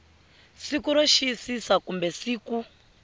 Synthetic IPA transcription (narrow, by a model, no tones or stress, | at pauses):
sikuɾoʃisisakumbɛsiːku